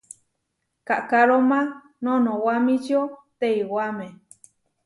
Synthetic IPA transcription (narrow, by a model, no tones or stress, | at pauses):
kaʔkaɾomã | nõnõwamĩt͡ʃot̪eiwamẽ